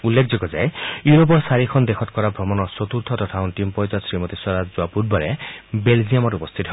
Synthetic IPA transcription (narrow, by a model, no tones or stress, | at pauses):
ulːekʰd͡zɔkɔd͡ʒaejuɾop̬ɔɾsaɾikʰɔnd̪ekʰɔt̪̚kɔɾabʱɾɔmɔnɔsot̪uɾt̪ʰɔt̪ɔtʰaʊnʈimpɔjd͡ʒɔsɾimɔt̪iswaɾad͡ʒd͡ʒoapud̚bɔɾebeld͡ʒiamɔʈupɔst̪ʰit̪ɔɦ